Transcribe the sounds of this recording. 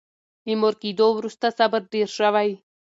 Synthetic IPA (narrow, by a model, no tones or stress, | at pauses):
imoɾkid̪oːʋɾust̪asɐbəɾd̪iɾʃaʋaj